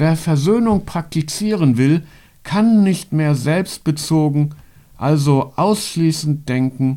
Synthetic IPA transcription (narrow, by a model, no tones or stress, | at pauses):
veːɐfɛɐzøːnʊŋpʁ̥ak̚tit͡siːʁənvɪl | kʰanːɪçtmeːɐzɛlpst̚b̥ət͡soːɡŋ̩ | ʔalzoʔaʊsʃliːsn̩t̚d̥ɛŋkŋ̩